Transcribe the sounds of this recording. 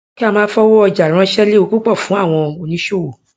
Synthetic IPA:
ki˦a˦˧mãː˦fɔ˦wo˦ɔ˧d͡ʒa˨ɾ̃ã˧ʃɛ˦le˦o˧ku˦k͡pɔ˦˨fũ˨˦a˦˨w̃ɔ̃˧o˧nĩ˨˦ʃo˦wo˨

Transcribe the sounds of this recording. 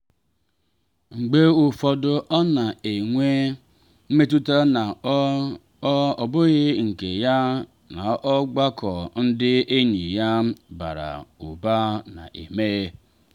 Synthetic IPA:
ŋ͡m̩˨ɡ͡be˦u˨fɔ˨dʊ˦ʔɔ˦na˨e˨ŋʷe˦ | m̩˦me˦tu˦ta˦na˨˦ | ɔ˨bʊ˦ɣɪ˦ŋ̩˨ke˨ja˦ | na˨ʔɔ˦ɡ͡ba˦kʰɔ˨n̩˦dɪ˦e˦ɲi˨ja˦ba̰˨ɾa̰˨u˨ba˦na̰˨ʔḛ˨me˦e˦

